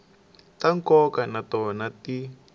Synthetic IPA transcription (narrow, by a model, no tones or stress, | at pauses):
taŋkɔkanatɔnati